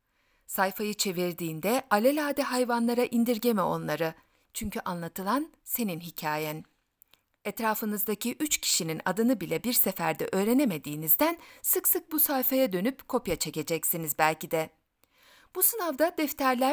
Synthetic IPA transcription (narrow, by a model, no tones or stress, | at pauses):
sajfajɯt͡ʃʰe̞viɾd̪iːnd̪ɛʔalʲelʲaːd̪ɛɦajvanlˠaɾaʔind̪iɾɟe̞mɛo̞̰nlˠaɾɯ | t͡ʃʰyɲcʰyʔanlˠat̪ʰɯlˠan | se̞ninɦicʰaːjɛn | ɛt̪ɾaːfɯnɯzd̪acʰiʔyt͡ʃcʰi̥ʃinina̰d̪ɯnɯbilʲɛbiɾsefæɾd̪ɛ̰ʔø̞ːɾe̞neme̞d̪iːnizd̪ænsɯksɯk̚busajfajad̪ø̞nypkʰo̞pjat͡ʃʰe̞ce̞d͡ʒɛcsinizbælʲcid̪ɛ | b̥usɯnavd̪ad̪ɛft̪ʰæɾlʲæ